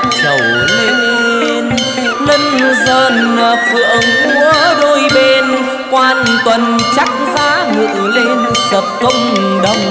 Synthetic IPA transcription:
t͡ɕə˨˩w | le˧n | e˧n | lə˧nzəː˧˩nə˨˩p̚ɨ̰˧˨əŋku˧˦ɗo˧jɓe˧n | kwaː˧nt̪wə˨˩nt͡ɕa˦˥k̚zaː˨˧˦ŋɨ̰˧˨əle˧nsəː˨˩p̚kə˧wŋ͡m | ɗə˧wŋ͡m

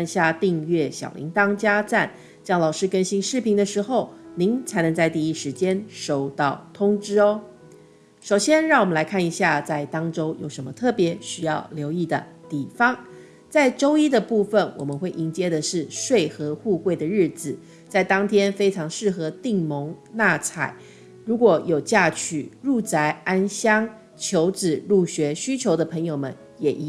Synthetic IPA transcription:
nɕja˥˧t̪i˥˧ŋɥɛ˥˩ɕjɑ̰˨˩ʊlʔḭ˧˥ŋt̪ɑ˥ŋt͡ɕja˥t͡sa˥˩n | t͡ɕjɑ˥ŋlɑ˨˩ʊʂɻ̩˥kə˥nɕi˥ŋʂɻ̩˥˩pʰi˧˥ŋd̪ə˨˧ʂɻ̩˧˥xo˥˩ʊni˧˥ŋt͡sʰa˧˥ɪnɤ˧˥ŋt͡sa˥˧ɪt̪i˥˧i˥˩ʂɻ̩˧˥t͡ɕjɛ˥nʂo˥˩ʊt̪ɑ˥˩ʊt̪ʰʊ˥ŋʈ͡ʂɻ̩˥ɔ˦ | ʂo˨˩ʊɕjɛ˥nɻɑ˥˩ŋwɔ˨˩mə˦nla˧˥ɪkʰa˥˩ni˧˥ɕja˥˧t͡sa˥˩ɪt̪ɑ˥ŋʈ͡ʂo˥ʊjo˨˩ʊʂə˧˥nmə˧t̪ʰɤ˥˩pjɛ˧˥˦ɕy˥jɑ˥˩ʊljo˧˥ʊi˥˩d̪ə̰˩t̪i˨˩fɑ˥ŋ | t͡sa˥˩ɪʈ͡ʂo˥ʊi˥d̪ə˨pu˥˧fə˨nwɔ̰˨˩mə˦nxwe˥˩ɪʔi˧˥ŋt͡ɕjɛ˥d̪ə˨ʂɻ̩˥˩ʂwe˥˧ɪxɤ˧˥xu˥˧kwe˥˩ɪd̪ə˩ɻɻ̩˥˩d͡z̩˨˩ | t͡sa˥˩ɪt̪ɑ˥ŋt̪ʰjɛ˥nfe˥ɪʈ͡ʂʰɑ˧˥ŋʂɻ̩˥˩xɤ˧˥t̪i˥˩ŋmo˧˥ŋna˥˧t͡sʰa̰˨˩ɪ | ɻu˧˥kwɔ˨˩jo˨˩ʊt͡ɕja˥˩t͡ɕʰy˨˩ɻu˥˩t͡sa˧˥ɪa˥nɕjɑ˥ŋ | t͡ɕʰjo˧˥ʊʈ͡ʂɻ̩˨˩ɻu˥˩ɕɥɛ˧˥ɕy˥t͡ɕʰjo˧˥ʊd̪ə˨˧pʰə˧˥ŋjo˨˩ʊmə̰˧˦n | jɛ˨˩ʔi˧˥

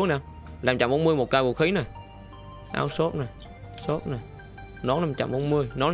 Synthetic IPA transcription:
əknaː˨˧˩w | laː˨˩mt͡ɕa̰˧˨mɓo˨˧˦nmɨ˧əjmo˨˩t̚kaː˧jku˨˩kxi˨˦na˨˩j | ʔa̰ː˧˩wso˦˥t̚na˨˩j | so˦˥t̚na˨˩j | nɔ˨˦naː˨˧˩mt͡ɕa̰˧˩mʔɓo˧˦nmɨ˧əjnɔ˨˦l

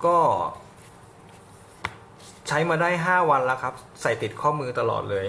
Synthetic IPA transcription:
kɔː˥˩ | t͡ɕʰa˦˥jmaː˧daː˥˩jɦaː˥˩wa˧nlɛ˦˥wkʰa˦˥p̚ | sa˨˩jt̪i˨˩t̪̚kʰɔː˥˩mɯː˧t̪a˧lɔ̰ː˨˩t̪̚lɤː˧j

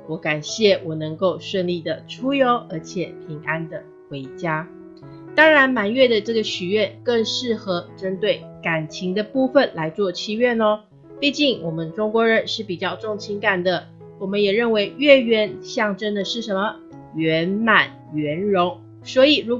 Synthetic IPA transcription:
wɔ˧˥ka˨˩nɕjɛ˥˩wɔ˨˩nɤ˧˥ŋko˥˧ʊʂwə˥˧nli˥˩d̪ə˩ʈ͡ʂʰu˥jo˧˥ʊə˞˧˥t͡ɕʰjɛ˨˩˦pʰi˧˥ŋʔa˥nd̪ə˨ | xwe˧˥ɪt͡ɕja˥ | t̪ɑ˥ŋɻa˧˥nma˨˩nɥɛ˥˩d̪ə˩ʈ͡ʂɤ˥˩ɡə˩ɕy˨˩ɥɛ˥˧nkɤ˥˧ŋʂɻ̩˥˩xɤ˧˥ʈ͡ʂə˥nt̪we˥˩ɪka˨˩nt͡ɕʰi˧˥ŋd̪ə˧pu˥˩fə˨˩nla˧˥ɪt͡swɔ˥˧t͡ɕʰi˥˧ɥɛ˥˩nə˨ | pi˥˧t͡ɕi˥˩ŋwɔ˨˩mə˧˦nʈ͡ʂʊ˥ŋkwɔ˧˥ɻə˧˥nʂɻ̩˥˩pi˨˩t͡ɕjɑ˥˧ʊʈ͡ʂʊ˥˩ŋt͡ɕʰi˧˥ŋka˨˩nd̪ə˩ | wɔ˨˩mə˦njɛ˨˩ɻə˥˩nwe˧˥ɪɥɛ˥˧ɥɛ˥˧nɕjɑ˥˩ŋʈ͡ʂə˥nd̪ə˨ʂɻ̩˥˩ʂə˧˥nmə˨ | ɥɛ˧˥nma˨˩n | ɥɛ˧˥nɻʊ˧˥ŋ | swɔ˧˥i˨˩ɻu˧˥

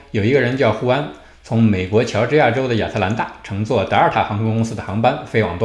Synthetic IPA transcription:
jo˨˩ʊi˧˥ɡə˧ɻə˧˥nt͡ɕjɑ˥˩ʊxu˥a˥n | t͡sʰʊ˧˥ŋme˨˩ɪkwɔ˧˥t͡ɕʰjɑ˧˥ʊʈ͡ʂɻ̩˥ja˥˩ʈ͡ʂo˥ʊd̪ə˨ja̰˥˨˩sʰa˥˩la˧˥nt̪a̰˥˩ʈ͡ʂʰɤ˧˥ŋt͡swɔ˥˩t̪ɤ˞˥˧˥t̪ʰa˥˩xɑ˧˥ŋkʰɔ˧˥ŋkʊ˥ŋs̩˥d̪ə˨xɑ˧˥ŋpa˥nfe˥ɪwɑ̰˨˩ŋt̪wa˥

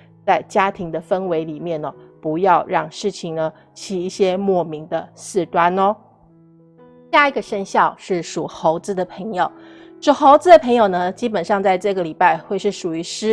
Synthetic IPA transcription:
t͡sa˥˩ɪt͡ɕja˥t̪ʰi˧˥ŋd̪ə˧fə˥nwe˧˥ɪli˨˩mjɛ˥˩nə˩pu˧˥jɑ˥˧ʊɻɑ˥˧ŋʂɻ̩˥˩t͡ɕʰi˨˩ŋnə˦ | t͡ɕʰi˨˩i˥˩ɕjɛ˥mwɔ˥˩mi˧˥ŋd̪ə˧sɹ̩˥˩t̪wa˥nɔ˧ | ɕja˥˩i˧˥ɡə˨ʂə˥˧nɕjɑ˥˧ʊʂɻ̩˥˩ʂu˨˩xo˧˥ʊt͡sɹ̩˧˥d̪ə˨pʰə˧˥ŋjo˨˩˦ʊʂu˨˩xo˧˥ʊt͡sɹ̩˧˥d̪ə˨pʰɤ˧˥ŋjo˨˩ʊnə˦t͡ɕi˥pə˨˩nʂɑ˥˧ŋt͡sa˥˧ɪʈ͡ʂɤ˥˩ɡə˩li˨˩pa˥˧ɪxwe˥˧ɪʂɻ̩˥˩ʂu˨˩y˧˥ʂɻ̩˥

